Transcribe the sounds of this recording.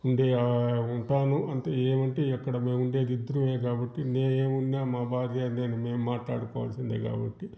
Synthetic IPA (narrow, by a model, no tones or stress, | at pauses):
uɳɖeːuɳʈaːnuʔɐnt̪ɐeːmɐɳʈe̞ːɐkːɐɽɐme̞ːmuɳɖe̞ːd̪id̪ːɐɾumeːk̬aːbɐʈːine̞ːneːmunːaːmaːbʱaːɾjaːneːnume̞ːmːaːʈla̰ːɽukɔːʋɐ̰lsind̪eːka̰ːbɐ̰ʈːi